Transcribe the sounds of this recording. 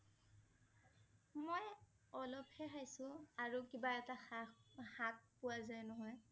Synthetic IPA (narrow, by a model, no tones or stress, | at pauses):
moj | ɔlɔphɛxajsʊ̃aɹukibaɛta | hat̚pʊwazajnɔɦɔj